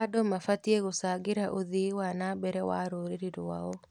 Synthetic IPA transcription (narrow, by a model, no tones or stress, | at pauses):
adomafatieɣosaɡeɾaʔoðiwanabɛɾɛwaɾoɾeɾiɾowaɔ